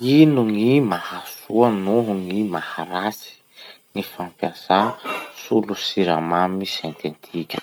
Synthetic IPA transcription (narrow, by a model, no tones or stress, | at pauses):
inuŋimahasuanuɦuŋimahaɾasi̥ | ŋifampjasasulusiɾa̰mamisent̪ent̪ʰikʲə̥